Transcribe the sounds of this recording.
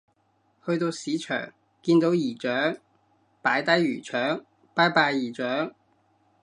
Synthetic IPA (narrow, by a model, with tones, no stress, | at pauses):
hɵ˧ɥt̪o˧wsiː˨˥t͡ʃʰœ̰ː˨˩ŋ | kiː˧nt̪o˨˧wjiː˨˩t͡ʃœː˨˥ŋ | paː˨˥jt̪ɐ˥jɥyː˨˩t͡ʃʰœː˨˥ŋ | paː˨˥jpaː˧jːiː˨˩t͡ʃœː˨˥ŋ